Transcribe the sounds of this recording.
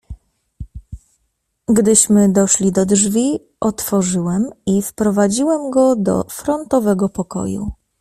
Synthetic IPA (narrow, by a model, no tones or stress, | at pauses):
ɡd̪ɘɕmɘd̪ɔʂlʲid̪ɔdʐvʲi | ʔɔt̪fɔʐɘwɛmifpɾɔvad͡ʑiwɛmɡɔd̪ɔ̰fɾɔnt̪ɔvɛɡɔpɔkɔ̰jṵ